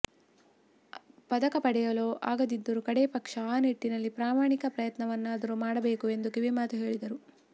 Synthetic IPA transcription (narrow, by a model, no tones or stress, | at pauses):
pɐd̪ɐkɐpɐɽɛjɐloːʔa̰ːɡɐd̪id̪ːuɾukɐɽeːpɐkʂɐaːniʈːinɐlːipɾaːmaːɳikɐpɾɐjɐt̪nɐʋɐnːuɐd̪ɐɾumaːɽɐbe̞ːkue̞nd̪ukiʋimaːt̪uɦe̞ːɭid̪ɐɾu